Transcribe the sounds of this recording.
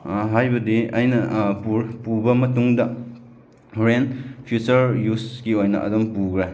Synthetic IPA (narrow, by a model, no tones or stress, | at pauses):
ɦajbɐdiɐjnɐpupubɐmɐtuŋdɐ | ɾenpʰjut͡ʃɐɾjusɡiojnɐ̰ʔɐ̰dɔmpuɡɾe